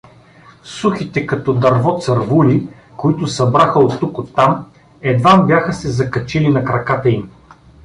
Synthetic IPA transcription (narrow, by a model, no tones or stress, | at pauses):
suxit̪ɛkɐt̪ɔd̪ɐɾvɔt̪sɐɾvuli | koit̪ʊsɐbɾaxəot̪ːukot̪ːam | ɛd̪vambjaxəsɛzɐkɐt͡ʃilinɐkɾɐkat̪əim